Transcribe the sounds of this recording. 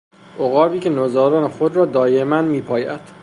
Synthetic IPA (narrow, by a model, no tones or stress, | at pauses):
ʔoɣɒːbiːcʰenozɒːɾɒːnexod̪ɾɒːd̪ɒːjemænmiːpʰɒːjæd̪̥